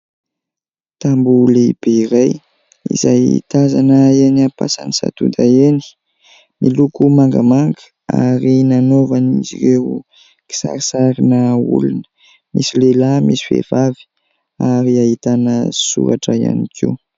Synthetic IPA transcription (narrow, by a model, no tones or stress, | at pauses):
t̪ambulib̥eiɾaj | ḭzajit̪azanəeniapasa̰nisa̰t̪ud̪aeni̥ | mʔilukumaŋɡamaŋɡə | a̰ɾinanovanizḭɾew | ki̥sa̰ɾisaɾinəṵlunə̥ | misilelamisi̥fḛv̥avi̥ | aɾiaɦit̪anəsṵɾaʈ͡ʂəja̰nikʰḭu